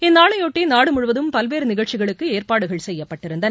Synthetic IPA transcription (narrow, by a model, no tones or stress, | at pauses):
ɪnːaːɭɐjoːʈːiːnaːɽɯmʊɻʊʋɐðɯmpɐlʋeːɾɯnɪɣɐɻt͡ʃɪɣɐɭɯkːɯeːrpaːɽɯɣɐɭsɛjːɐppːɐʈːɪɾɯnd̪ɐn